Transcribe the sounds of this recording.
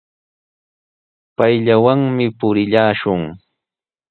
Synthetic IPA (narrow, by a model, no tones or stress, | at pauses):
pajʎawaŋmɪpʊɾɪʎaːʃʊŋ